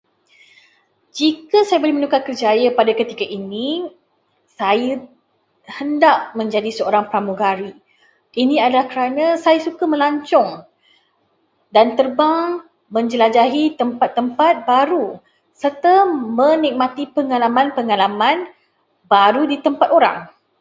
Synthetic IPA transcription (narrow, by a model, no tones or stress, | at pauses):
d͡ʒikasajabolehmənukakərd͡ʒajapadakət̪ikaʔini | sajə | həndaʔ̚mə̃ɲd͡ʒadisəoɾaŋpɾamũɡaɾi | ʔinĩadalahkəɾanãsajasukamə̃laɲt͡ʃɔŋ | dant̪ərbaŋ | mə̃ɲd͡ʒəlad͡ʒaɦit̪əmpat̪ːəmpat̪̚baɾu | sərt̪əmə̃nik̚mãt̪ipəŋalamãnpəŋalamãn | baɾudit̪əmpat̪oɾa̰ŋ